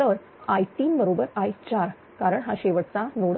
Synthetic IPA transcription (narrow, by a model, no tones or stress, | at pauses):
əɭ | ajt̪iːnbəɾobəɾajt͡ɕaɾ | kaɾəɳɦaɕeʋəʈt͡sanoɽ